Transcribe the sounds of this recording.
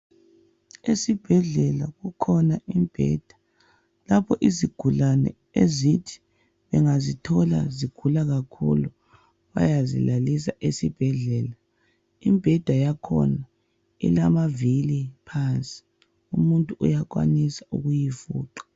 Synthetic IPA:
esib̥ʱɛɮɛlaɣukʰɔnaʔimb̥ʱɛ̰ːd̥ʱḁ | lapʰɔʔiziɡ̥ʱulanɛ̰ | ezitʰi̥ | βɛŋazitʰɔla̰ziɡ̥ʱulaɣakʰṵlu | βa̰jazḭlalis̬aʔesib̥ʱɛɮɛːla | imbʱɛd̥ʱajakʰɔ̰na | ḭlamavilipʰant͡sʼi̥ | umuntʼuujak̬wa̰nisaʔuɣujifuːǃḁ

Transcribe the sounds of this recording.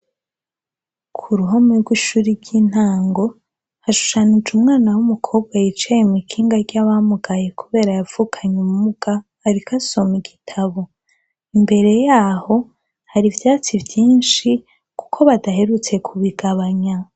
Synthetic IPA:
kʰuɾuɦomeɾɡwiʃuːɾiɾɟiːn̥haːŋɡo̞ | haʃu̥ʃanid͡ʒumŋaːnawumukʰo̞ːb̚ɡwajit͡ʃejimikʰiːŋɡaɾɟaβamuɡaje̞kuβe̞ːɾajav̥ukʰaɲumumuɡ̥aː | ɾikʰasomiɡitʰaβo̞ | imbe̞ɾe̞jaːho̞ | haɾivjaːt͡sivjiːnʃi | ku̥kʰo̞βadaɦe̞ɾut͡se̞kʰuβiɡaβaɲa

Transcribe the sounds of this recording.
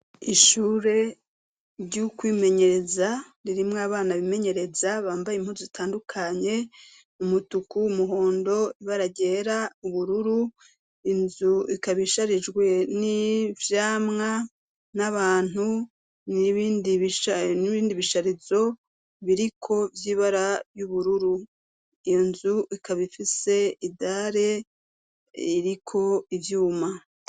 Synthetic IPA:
iʃuːɾe̞ | ɾɟukwiːme̞ɲe̞ɾe̞za | ɾiɾimŋaβaːnaβime̞ɲe̞ɾe̞zaβaːmbajim̥huzozitʰaːndukʰaɲe̞ | umutukumuɦo̞ːndo̞iβaɾaɟe̞ːɾauβuɾuɾu | inzuikaβiʃaɾid͡ʒɡwe̞nivjaːmŋa | naβaːnhu | niβiːndiβiʃaniβiːndiβiʃaɾizo̞ | βiɾikʰo̞vjiːβaɾajuβuɾuɾu | ijo̞nzuʔikaβifise̞idaɾe̞ | iɾikʰo̞ivjuːma

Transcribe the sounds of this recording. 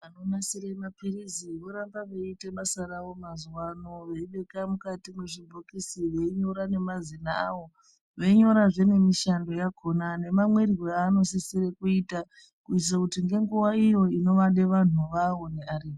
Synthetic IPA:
ano̞nasiɾemapiɾiziʋoɾambaʋeiteɓasaɾaʋo̞mazwanoʋeiɓe̞kamukatimeʐibʱokisiʋe̞iɲo̞ɾane̞mazinaːʋo̞ | ʋe̞ɲo̞ɾaʐe̞ne̞miʃando̞jakʰo̞nane̞mamwe̞rirweano̞sisiɾekuita | kuis̬akutiŋɡe̞ŋɡuwaijo̞ino̞ʋaɗe̞ʋan̤uʋawo̞neariː

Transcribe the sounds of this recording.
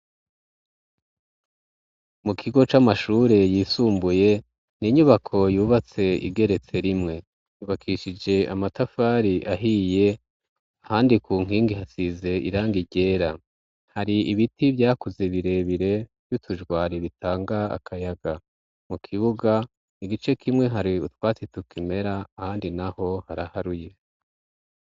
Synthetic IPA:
mukʰiɡo̞t͡ʃamaʃuːɾe̞jiːsuːmbuje̞ | niɲuβakʰo̞juːβat͡se̞ḭɡe̞ɾe̞t͡se̞ɾimŋe̞ | juːβakʰiʃid͡ʒe̞amatafaːɾiʔaɦije̞ | ahaːndikʰuːŋ̥iːŋɡihasize̞ʔḭɾaːŋɡiɟe̞ːɾa | haɾiiβitivjaːkuzeβiɾe̞βiɾe̞v̥jutʰuʒɡwaːɾiβitaːŋɡaa̰kʰajaɡa | mukʰiβuɡa | niɡit͡ʃe̞kʰimŋe̞ɦaɾiutwaːt͡situkime̞ɾaːhaːndinaho̞haɾahaɾuje̞

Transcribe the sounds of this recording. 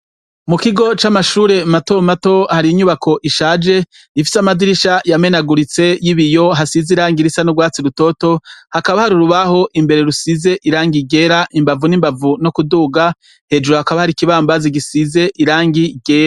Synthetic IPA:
mukiɡo̞t͡ʃamaʃuːɾe̞mato̞mato̞haɾiiɲuβakʰo̞ʔiʃaːd͡ʒe̞ | ifi̥samadiɾiʃajame̞naɡuɾit͡se̞jiβijo̞ɦasiziɾaːŋɡiɾisanubɡwaːt͡siɾuto̞to̞hakaβahaɾiɾuβaho̞ʔimbe̞ɾe̞ɾusize̞ʔiɾaːŋɡiɡe̞ːɾaʔimbavunimbavunokuduːɡa | he̞d͡ʒuɾohakaβahaɾikiβaːmbaziɡisize̞ʔiɾaːŋɡiɡe̞ːɾa

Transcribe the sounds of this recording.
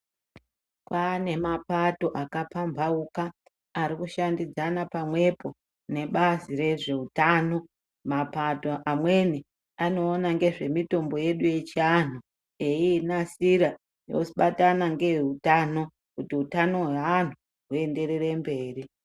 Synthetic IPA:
kwane̞mapato̞ʔakapambʱaukaː | ɾikuʃandid͡zanapamwe̞po̞ | ne̞ɓazire̞ʐe̞utaːno̞ | mapato̞ʔamwe̞ni | ano̞ːnaŋɡe̞ʐe̞mito̞mbo̞je̞ɗuje̞t͡ʃian̤u | einasiɾa | jo̰usiɓatanaŋɡe̞ɦutaːno̞ | kutiutano̞ɦwean̤u | ɦue̞nde̞ɾe̞re̞mbe̞ːri

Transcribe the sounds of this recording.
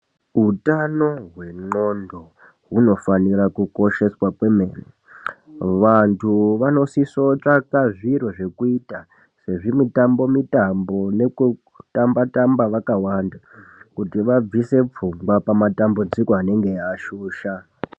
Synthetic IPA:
ɦutano̞ɦwe̞ŋ͡ǃo̞ndo̞ | ɦuno̞fanirakuko̞ʃe̞swakwe̞me̞ːne | ʋantʰuʋano̞siso̞t͡ʂakaʐiɾoʐe̞kuita | se̞ʐimitambo̞mitambo̞ne̞ku | tambatambaʋakawanda | kutiʋab͡vise̞p͡fuŋɡwapamatambud͡zikoane̞ŋɡe̞jaʃuːʃa

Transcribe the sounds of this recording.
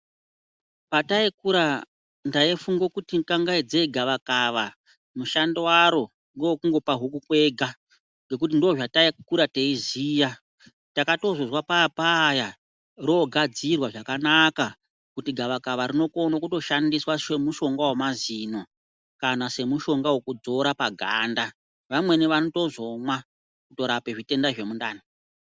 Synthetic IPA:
pataikuɾa | ndaifuŋɡo̞kutikaŋɡaid͡zeɡʱaʋakaʋa | muʃandewaɾo̞ | ŋɡowokuŋɡo̞paɦuk̬ukwe̞ɡʱa | ŋɡe̞k̬ut̬indoʐataikuɾateiziːja | takato̞zozwapapaːja | roɡʱad͡zirwaʐakanaka | kutiɡʱaʋakaʋaɾino̞ko̞nokuto̞ʃandiswaʃe̞muʃo̞ŋɡawomazino̞ | kanase̞muʃo̞ŋɡawekud͡zo̞ɾapaɡʱaːnda | ʋamwe̞niʋano̞to̞zo̞mwa | kuto̞ɾape̞ʐite̞ndaʐe̞munda̰ːni

